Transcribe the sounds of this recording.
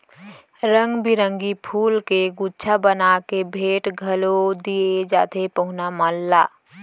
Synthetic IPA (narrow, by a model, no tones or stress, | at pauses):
ɾə̃ŋɡbiɾə̃ŋɡipʰuːlkeɡutːt͡ʃʰabənakebʱeːʈɡʱəlod̪ied͡ʒaːt̪ʰepəɦʊnamaːlːaː